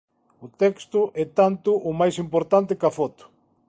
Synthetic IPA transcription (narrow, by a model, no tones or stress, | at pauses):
ʊt̪ɛkst̪ʊʔɛt̪ant̪ʊʔʊmajsimpoɾt̪ant̪ɪkɐfɔt̪ʊ̥